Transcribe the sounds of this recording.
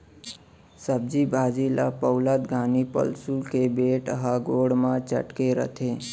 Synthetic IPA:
səb̚d͡ʒibʱaːd͡ʒila̰pəʊlət̪ɡʱaːnipə̰lsukebeːʈəɦaɡoːɽmãt͡ʃə̰ʈkeɾə̰t̪ʰe

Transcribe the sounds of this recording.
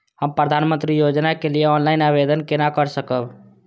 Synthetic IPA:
həmpɾəd̪ʱanmənt̪ɾijod͡ʒnakelijeɔnlainabed̪ənkenakəɾsəkəb

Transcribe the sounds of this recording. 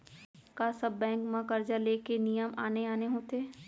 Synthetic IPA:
kasɐbːɛ̃ːŋkmãkɐɾd͡ʒaleːkenijəmaːneaːneɦõt̪eː

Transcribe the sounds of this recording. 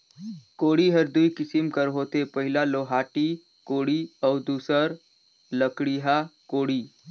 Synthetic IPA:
koːɽiɦəɾd̪uikɪsimkəɾɦoːt̪epɐɦɪlaloːɦaːʈi | koːɽiɔːɾd̪uːsəɾ | ləkɽiɦakoːɽiː

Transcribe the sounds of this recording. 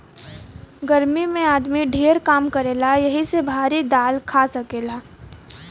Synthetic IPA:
ɡəɾmimẽaːd̪miɖʱeːɾkaːmkɐɾeːlajɐɦisebʱaːɾid̪aːlkʰaːsɐkeːlaː

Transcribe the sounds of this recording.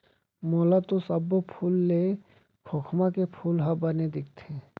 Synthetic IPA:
moːlat̪osəbːopʰulːe | kʰoːkʰmakepʰuːlɦabəned̪ɪk̚ʰt̪ʰe

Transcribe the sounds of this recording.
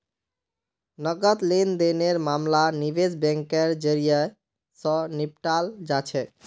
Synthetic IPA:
nəɡət̪lend̪eneɾmamlaniβed͡ʒbɛ̃ŋkeɾd͡ʒəɾijə | sə̃nip̚ʈald͡ʒat͡ʃʰɛ

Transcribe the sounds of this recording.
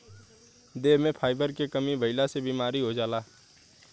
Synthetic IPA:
d̪eːmẽpʰaːɪbəɾkekəmibʱəɪlasebiːmaːɾiɦod͡ʒaːlaː

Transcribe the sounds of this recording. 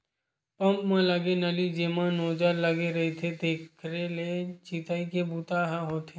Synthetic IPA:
pə̃mpmẽləɡenɐlid͡ʒeːmãnoːd͡ʒəɾləɡeɾɐɦit̪ʰed̪eːkkʰɾelet͡ʃiːt̪aːikebuːt̪aɦaɦoːt̪ʰeː

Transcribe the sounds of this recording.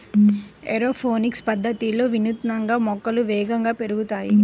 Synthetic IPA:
eɾoːpʰoːnikspɐd̪ʱːɐt̪ilo̞ːʋinut̪nɐŋɡaːmɔkːɐluʋɛːɡɐŋɡaːpe̞ɾuɡut̪aːji

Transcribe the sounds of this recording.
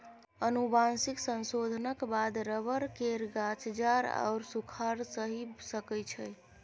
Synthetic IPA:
ənubansiksənsod̪ʱənəkbad̪ɾəbəɾkeɾɡat͡ʃd͡ʒaɾa̰ʊɾsukʰaɾsəɦisəkəjt͡ʃʰəj

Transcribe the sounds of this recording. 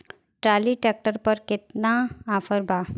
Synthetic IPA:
ʈɾaːliʈɛːk̚ʈəɾpɐɾkɪt̪naːfʰəɾbaː

